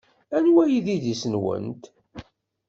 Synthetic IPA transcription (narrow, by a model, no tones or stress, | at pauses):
ænwæjiðiðisənwə̰nt̪